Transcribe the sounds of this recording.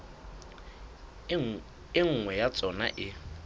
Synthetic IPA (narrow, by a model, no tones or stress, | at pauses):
ɪŋ̩ŋwɛjat͡sʼɔna̰ʔɪ